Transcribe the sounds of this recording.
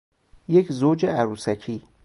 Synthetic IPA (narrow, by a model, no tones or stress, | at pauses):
jecʰzoːd͡ʒeæɾuːsæcʰiː